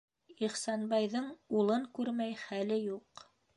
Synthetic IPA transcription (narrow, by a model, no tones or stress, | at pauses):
iχsɑnbɑjðɤɴulˠɤŋkʉɾmæjχælɘjuq